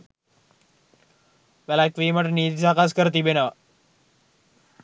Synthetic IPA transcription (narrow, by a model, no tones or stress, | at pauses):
ʋælækʋiːməʈəniːt̪isakaskəɾət̪ibenəʋa